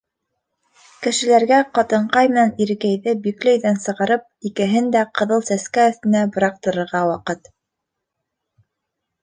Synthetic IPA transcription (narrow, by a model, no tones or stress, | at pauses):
kɘ̆ʃɘ̆læɾɡæqɑt̪ɤ̆ɴqɑjmɘ̆næniɾɘ̆kæjðɘbiklɘ̆jðænsɤ̆ʁɑɾɤp̚ikɘ̆ɦɘnd̪æqɤ̆ðɤlˠsæskæɵ̆θt̪ɘ̆næbŏɾɑq̚t̪ɤ̆ɾɤ̆ɾʁɑwɑqɤt̪